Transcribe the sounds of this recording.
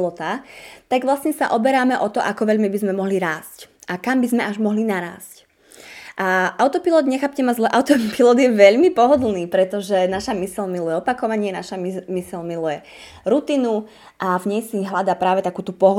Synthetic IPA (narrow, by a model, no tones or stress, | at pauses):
lɔt̪aːt̪aɡʋlasɲɛsa̰ʔɔbɛɾaːmɛʔɔt̪ɔʔakɔʋɛʎmibizmɛmɔɦliɾaːscʔakambizmɛaʒmɔɦlinaɾa̰ːsc | ʔaʔaʊt̪ɔpilɔd̪ɲɛxaːpcɛmazlɛʔaʊt̪ɔpilɔd̪jɛʋɛʎmipɔɦɔd̪l̩ˠniːpɾɛt̪ɔʒɛnaʃamisɛlmilujɛɔpakɔʋaɲɪɛnaʃamisɛlmilujɛ | ɾut̪iːnu | ʔavɲɛjsiɦlad̪aːpɾaːʋɛt̪akuːt̪upɔɦɔ